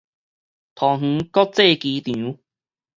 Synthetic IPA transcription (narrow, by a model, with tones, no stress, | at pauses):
t̪ʰɔ˨˩ŋ̥̩˧˦kɔ˦t͡se˥˧˨ki˨˦t̪jĩ˨˦